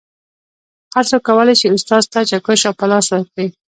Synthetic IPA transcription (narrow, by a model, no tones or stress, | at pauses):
haɾt͡sokːawəlajt͡ʃeʊst̪ɑzt̪at͡ʃakəʃawpalɑswəɾkɽi